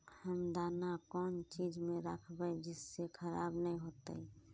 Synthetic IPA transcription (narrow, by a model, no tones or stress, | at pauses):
həmd̪aːnakɔːnt͡ʃid͡ʒmẽɾəkʰbəd͡ʒɪsːekʰəɾaːbnəĩɦoːt̪ə̰i